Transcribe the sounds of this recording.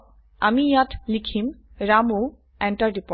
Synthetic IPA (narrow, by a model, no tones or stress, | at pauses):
amijatlikʰim | ɹamu | ɛɳʈaɹɖipɔ